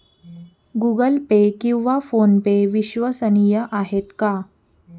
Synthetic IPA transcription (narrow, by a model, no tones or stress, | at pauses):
ɡuɡəlpekĩw̃ʋafonpeʋiɕʋəsənijəʔaɦet̪ka